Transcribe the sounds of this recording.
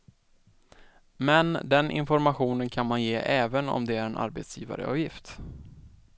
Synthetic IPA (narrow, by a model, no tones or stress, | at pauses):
mɛnd̪ɛnʔɪ̰nfɔɾmaɧuːnənkʰanmanjeːʔɛːvənɔ̰md̪ɛæɾɛnʔa̰ɾbet̪sjḭːva̰ɾə̰ʔɑ̰ːvjɪft̪